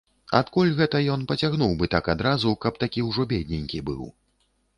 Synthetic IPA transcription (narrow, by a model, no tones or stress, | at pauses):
a̰t̪kulʲɣɛt̪ɐjɔnpɐt͡sʲaɣnuwbɨt̪akad̪ɾazukɐpt̪akʲiwʐɔbʲed̪ʲnʲenʲkʲibɨ̰w